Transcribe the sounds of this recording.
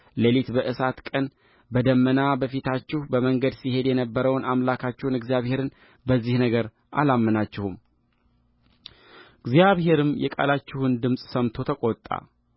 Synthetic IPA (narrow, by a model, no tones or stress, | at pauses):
lelit̪bəʔɨsat̪kʼən | bəd̪əmːənabəfit̪ʰat͡ʃːɪhubəməŋɡəd̪sihe̞d̪jɛnəbːəɾəwnamlakʰat͡ʃːɪhunɨɡzijaβhe̞ɾɨn | bəzːihnəɡəɾ | ʔa̰lamːənat͡ʃːɪhum | ɨɡzjaβhe̞ɾɨmjɛ̰kʼa̰lat͡ʃːɪhund̪ɨmsʼsəmt̪ʰo̞t̪ʰəkʼot̪ʼːa̰